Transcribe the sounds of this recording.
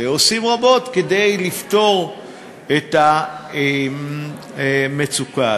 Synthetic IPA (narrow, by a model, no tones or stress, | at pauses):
eosimʁabo̞t̪ked̪e̞jlift̪o̞ʁ | et̪a | me̞t͡suka